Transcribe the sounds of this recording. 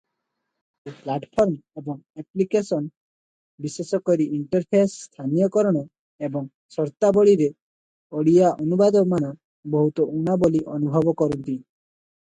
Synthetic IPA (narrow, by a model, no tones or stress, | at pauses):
eplaʈpʰɔɾmebɔŋeplikesɔn | bisesɔkɔɾiʔiɳʈɔɾpʰesːt̪ʰanijɔkɔɾɔɽ̃ɔ | ebɔŋ | sɔɾt̪abɔɽiɾe | ɔɽiaʔɔnubad̪ɔmana | bɔɦut̪ɔʔunaboliʔɔnubʱɔbɔkɔɾunt̪i